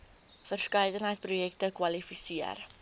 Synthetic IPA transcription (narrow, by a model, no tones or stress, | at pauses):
fərskəjdənɦəjtsprujɛk̚təkwɐlifisiə̰r